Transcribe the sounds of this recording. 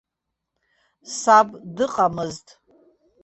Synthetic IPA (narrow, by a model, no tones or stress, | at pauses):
sabdɨqʼamɨztʼ